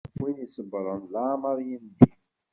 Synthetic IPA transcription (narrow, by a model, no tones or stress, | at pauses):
winisəbɾˤənlamɑɾˤjind̪i